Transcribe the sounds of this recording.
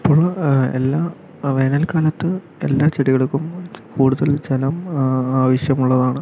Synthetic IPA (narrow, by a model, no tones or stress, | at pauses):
ipːoːɭḛlːaː | ʋeːnɐlkaːlɐt̪ːɨ | e̞lːaːt͡ɕeɽiɣɐɭkːumkʰuːɽuðɐlt͡ɕelɐmaːʋɐɕjɐmuɭːɐðaːɳɨ